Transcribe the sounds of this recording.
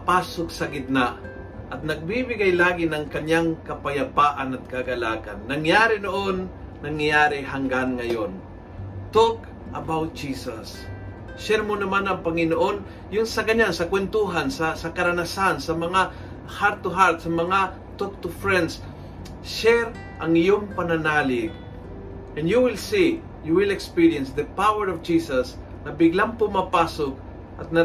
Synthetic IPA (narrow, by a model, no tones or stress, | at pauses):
paːsok̚sɐɡɪd̪̚na | ʔɐt̪̚nɐɡ̚bibɪɡajlaːɡɪnɐŋkɐɲaŋkɐpajapaːʔanɐt̪̚kaɡɐla̰ːka̰nːɐŋjaːɾɪnoʔonː | ɐŋajaːɾɪɦaŋɡanŋɐjon | t̪ok | ʔɐbawt̪̚d͡ʒiːsɐs | ʃɛɾmonɐmanɐŋpɐŋɪnoʔon | jʊŋsɐɡɐɲansɐkwɛnt̪uɦansɐsɐkɐɾanasansɐmɐŋa | haɾt̪ʊɦaɾt̪sɐmɐŋa | t̪ɔk̚t̪ʊfɹɛnd̪s | ʃɛɾ | ʔɐŋɪjoŋpɐnanaːlɪɡ̚ | ʔɛ̃njuwɪlsi | juwɪlɛkspiɹjɛnsd̪əpawɛɹɔvd͡ʒisɐs | nɐbɪɡlaŋpʊmapasoɡ̚ | ʔɐt̪̚nɐ